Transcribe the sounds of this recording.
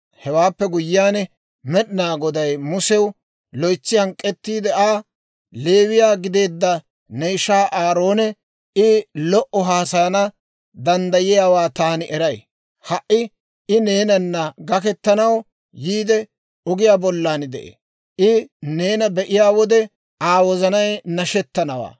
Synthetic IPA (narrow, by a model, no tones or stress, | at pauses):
hɛwaːpːɛɡʊjːɪjaːn | mɛɗɪnaːɡɔd̪ɐjmʊsɛw | lɔjt͡sːɪhɐŋkʼːɛt̪ːiːd̪ɛaː | le̞ːwɪjaːɡɪd̪e̞ːd̪ːɐ | nɛjʃaːʔaːɾo̞ːnɛ | ɪlɔʔɔɦaːsɐjɐnɐ | d̪ɐnd̪ɐjɪjaːwaːt̪aːnɪʔɛɾɐj | hɐʔɪ | ɪne̞ːnɐnːɐɡɐkɛt̪ːɐnɐw | jiːd̪ɛ | ɔɡɪjaːbɔlːaːnɪd̪ɛʔḛː | ʔɪne̞ːnɐbɛʔɪjaːwɔd̪ɛ | aːwɔzɐnɐjnɐʃɛt̪ːɐnɐwa̰ː